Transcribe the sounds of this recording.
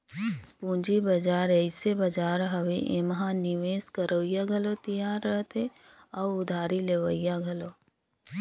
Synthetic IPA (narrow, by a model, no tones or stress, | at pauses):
pũːd͡ʒibɐd͡ʒaːɾɛɪsebɐd͡ʒaːɾɦɐʋeʔemɦãnɪʋeːskəɾoːjaɡʱəlot̪ijaːɾːəɦt̪e | ɔːʊd̪ʱaːɾileːʋəɪjaɡʱɐlo